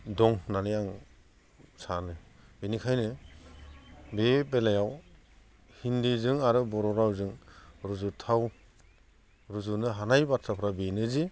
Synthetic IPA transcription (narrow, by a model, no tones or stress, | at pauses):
dɔŋnanijaŋ | sanɯbenikʰajnɯ | bepelajaw | hindizɯŋaɾɯbɔɾɔɾawzɯŋɾuzutʰaw | ɾuzunɯɦanajbatʰɾapʰɾabenɯzi